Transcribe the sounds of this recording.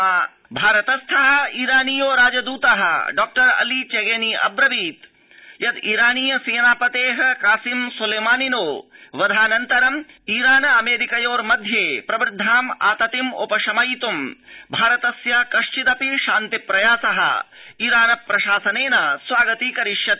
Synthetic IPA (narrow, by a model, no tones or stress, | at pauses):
bʱaːɾɐt̪ɐst̪ʰɐɦɐ̆iːɾaːnijoːɾaːd͡ʒɐd̪uːt̪ɐɦɐ̰ɖɔːk̚ʈɐɾɐ̰liːt͡ʃeɡeniːʔɐ̰bɾɐʋiːt̪ | jɐd̪iːɾaːniːjɐseːnaːpɐt̪eːɦɐ̆kaːsimsulɐːmaːninoːʋɐd̪ʱaːnɐnt̪ɐɾɐm | iːɾaːnɐɐmeːɾikɐjoːɾmɐd̪ʱjeːpɾɐbɾɪd̪ʱːaːma̰ːt̪ɐt̪imo̰pɐʃɐmɐjt̪umbʱaːɾɐt̪ɐsjakɐʂt͡ʃit̪ɐpiʃaːnt̪ipɾɐjaːsɐɦɐ̰̆iːɾaːnɐpɾɐʃaːsɐneːnɐsʋaːɡɐt̪iːkɐɾiʃjɐt̪